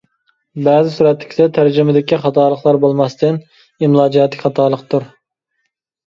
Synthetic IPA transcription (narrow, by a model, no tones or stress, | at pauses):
bæːzɪsuɾɛt̪lːɪ̥kʲi̥d̪ɛt̪ʰæɾd͡ʒɪmɪd̪ɪkʲiχɑt̪ʰɑːlˠəχlˠɑɾbolˠmɑst̪ɪn | imlˠɑːd͡ʒijɛt̪lɪkʲχɑt̪ʰɑːlˠəqt̪ʰuɾ